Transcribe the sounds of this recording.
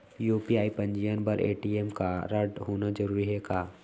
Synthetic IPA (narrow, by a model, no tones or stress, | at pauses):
juːpiaːipə̃ɲd͡ʒijənbɐɾʔḛːʈiːeːmkaɾəɖɦoːnad͡ʒəɾuːɾiɦɛːɡaː